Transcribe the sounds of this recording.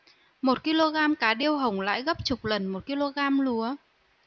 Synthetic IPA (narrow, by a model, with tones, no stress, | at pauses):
mo˨˩t̚ki˧lo˧ɣaː˧mkaː˨˦ɗi˧əwɦə˨˩wŋ͡mla̰ː˧˥˨jɣə˦˥p̚t͡ɕʊ˨˩k͡p̚lə˨˩nmo˨˩t̚ki˧lo˧ɣaː˧mlu˨˦ə